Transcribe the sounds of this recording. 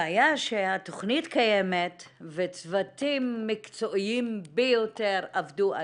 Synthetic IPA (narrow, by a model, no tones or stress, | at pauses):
ajaʃeat̪oχnitkajemetvet͡svatimːikt͡so̞ʔiimbejoteʁavdua